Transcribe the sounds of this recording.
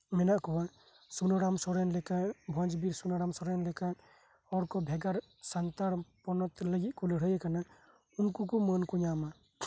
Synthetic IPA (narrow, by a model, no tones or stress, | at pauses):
mɛnaʔkɔba | sunɔɽamsɔɾɛnlɛkabʱɔ̃nd͡ʒbiɾsunaɽamsɔɾɛnlɛka | ɔɾkɔbʱɛɡaɾ | sant̪aɾpɔnɔt̪ləɡiʔ̪̚kɔleɽəjɛkana | unkukɔmɔnkuɲama